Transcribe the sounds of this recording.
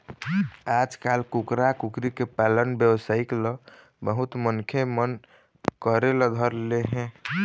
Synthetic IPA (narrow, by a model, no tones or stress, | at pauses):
ad͡ʒkalkukɾakukɾikepalənbjəwsaiklɔ | bəɦut̪mənkʰemən | kəɾeləd̪ʱəɾleɦẽ